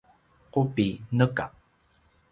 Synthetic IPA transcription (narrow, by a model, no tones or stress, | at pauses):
qopinəka